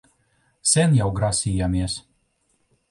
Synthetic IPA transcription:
sʲɛnjawɡɾasʲiːjamiɛs

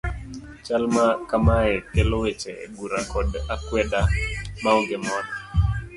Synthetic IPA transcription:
t͡ʃalmakamaɛkelɔwet͡ʃɛ̰ɡuɾakɔdakwɛɗamaɔɡɪmɔda

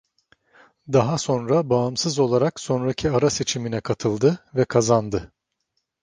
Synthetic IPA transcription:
d̪aɦaso̞nɾabaːmsɯzo̞lˠaɾakso̞nɾacʰiaɾase̞t͡ʃʰiminɛkʰat̪ʰɯlˠd̪ɯvɛkʰazand̪ɯ

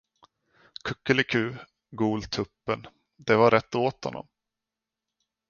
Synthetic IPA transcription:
kʰɵkːəlɪkʰʉ̟ː | ɡuːlt̪ʰɵpːən | d̪ɛvaɾɛt̪ːoːt̪hɔ̰nːɔ̰m

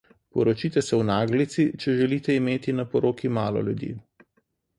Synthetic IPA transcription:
pɔɾɔt͡ʃiːt̪ɛsɛwnaːɡlit̪sit͡ʃɛʒɛlit̪ɛimeːt̪inapɔɾoːkimaːlɔ̰lʲjud̪jḭː

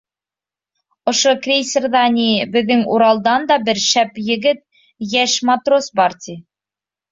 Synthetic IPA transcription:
ŏʃokrʲejsʲerðɑnʲibɘ̆ðːɘŋuɾɑlˠd̪ɑnd̪ɑbɘɾʃæpjɘ̆ɡɘt̪̚ | jæʃmat̪rosbɑɾt̪ʲi

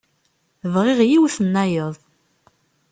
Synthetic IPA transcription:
vʁɪʁjiwθənːæjəðˤ

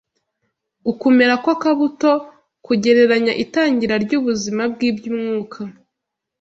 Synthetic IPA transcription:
ukume̞ɾakwakaβuto̞ | kuɟe̞ɾe̞ɾaɲaʔitaːɲɟiɾaɾɟuːβuzimab̚ɡiːbɟumŋuːkʰa

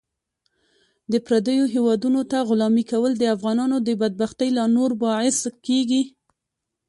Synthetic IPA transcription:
d̪əpɾad̪əjoɦewɑd̪unot̪aɣʊlɑmikawəld̪əafɣɑnɑnod̪əbad̪̚baxt̪əjlɑnoɾbɑʕɪskeɡi

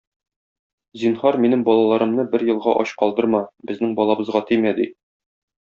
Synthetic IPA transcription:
zinhɑɾminɘmbɒlˠɑlˠɑɾɤ̆mnɤbɘɾjɤ̆lˠʁɑʔɒɕqɒlˠd̪ɤ̆ɾmɑbɘ̆znɘŋbɒlˠɑbɤ̆zʁɑt̪imæd̪i

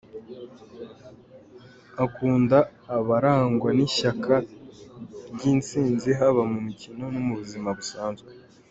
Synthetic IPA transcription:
akuːndaːβaɾaːŋɡwaniʃakʰa | ɟiːnt͡siːnziɦaβamumicino̞numuβuzimaβusaːnzɡwe

